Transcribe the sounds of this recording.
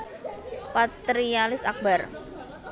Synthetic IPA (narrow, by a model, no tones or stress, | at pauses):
pat̪ɾialɪsak̚bar